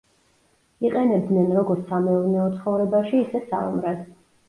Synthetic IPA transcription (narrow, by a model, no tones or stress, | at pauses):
iqʼɛnɛb̚d̪nɛnɾɔɡɔɾt̪samɛuɾnɛɔt̪sʰχɔvɾɛbaʃiːsɛsa̰ṵmɾad̪